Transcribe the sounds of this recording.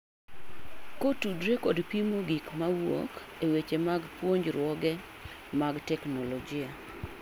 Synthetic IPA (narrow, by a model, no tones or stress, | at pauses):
kotudɾekɔdpimoɡikmawo̰k | ewet͡ʃemaɡpwoɲd͡ʒɾwɔɡɛ | maɡtɛknɔlɔd͡ʒɪa